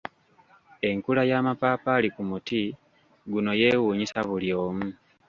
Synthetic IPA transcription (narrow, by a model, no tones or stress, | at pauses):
e̞ŋkulajamapaːpalikumuti | ɡuno̞je̞wuːɲisaβuljo̞ːmu